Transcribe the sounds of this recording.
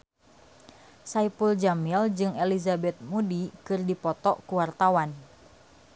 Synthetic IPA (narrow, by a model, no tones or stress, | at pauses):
saipuld͡ʒamild͡ʒɨŋelizabɛt̪̚mudikɨrdipɔt̪ɔʔkuwart̪awan